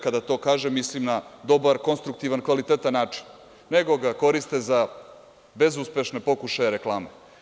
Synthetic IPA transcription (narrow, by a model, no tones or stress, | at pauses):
kad̪at̪o̞ːkaːʒemːislimnad̪o̞baɾko̞nst̪ɾukt̪iʋankʋalit̪et̪anːaːt͡ʂi̥n | ne̞ɡo̞ɡako̞ɾist̪e̞za | be̞zuspe̞ʃne̞po̞kuʃajeɾe̞klˠaːme